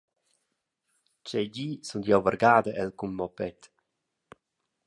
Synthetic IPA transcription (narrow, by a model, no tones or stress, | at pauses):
t͡ʃɛɟiːsund̪jawvəɾɡaːd̪əʔɛlkumːɔpɛt̪